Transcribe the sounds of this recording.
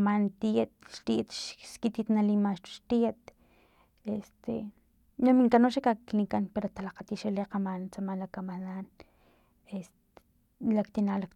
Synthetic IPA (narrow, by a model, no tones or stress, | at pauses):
mant̪it̪̚ʃt̪iʔt̪ʃkit̪it̪nalimaʃt͡ʃu̥ʃt̪iet̪̚ | est̪ḛ | nomiŋkanoʃekaknikanpeɾot̪alaqat̪iʃeleqamant͡samanlakamanan | est̪ | lakt̪inaːlak